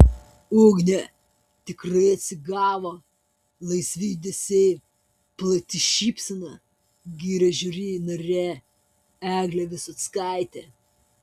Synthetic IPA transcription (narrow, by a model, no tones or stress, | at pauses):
uːɡnʲɛ | t̪ʲɪkɾɐɪɐt̪ʲsʲɪɡɑːʋo | lˠɐɪsʲʋʲiːd̪ʲesʲɛɪ | plˠɐt̪ʲɪʃʲiːpʲsʲɐnɐ | ɡʲiːɾʲɛʒʲʊɾʲiːnɐɾʲe | æːɡlʲɛʋʲɪsɔt̪skɑˑɪt̪ʲɛ